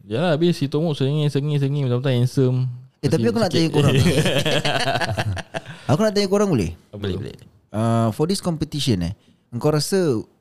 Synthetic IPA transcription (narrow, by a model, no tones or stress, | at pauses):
d͡ʒalaabɪsit̪omuʔsəŋĩsəŋĩs̬əŋĩmatapt̪aŋɛnsəmet̪apiakunaʔt̪aɲukoɾaŋ | akunaʔt̪̬aɲũkoɾaŋolɛ̰hbəleblḛ | əfɔdiskɔmpət̪iʃənɛ̰ | əŋkawɾasə